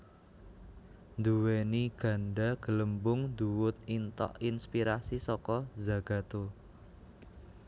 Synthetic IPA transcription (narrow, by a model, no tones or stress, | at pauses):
nd̪uweniɡ̥ä̤ɳɖaɡ̥ə̤ləmbʊŋnd̪uwʊt̪̚int̪ɔ̰ʔinspiɾasisɔkɔzaɡ̥ä̤t̪o